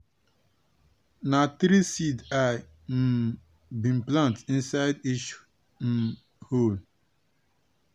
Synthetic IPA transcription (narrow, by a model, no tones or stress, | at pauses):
nat̪ɾisida | m̩ | bĩm̩plãntĩnsaɪdiʃu̥ | m̩ | hol